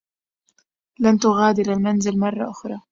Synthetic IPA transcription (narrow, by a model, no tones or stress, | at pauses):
lant̪ʊɣaːd̪ɪɾalmanzɪlmɑrˤːɑʔʊxɾˤɑː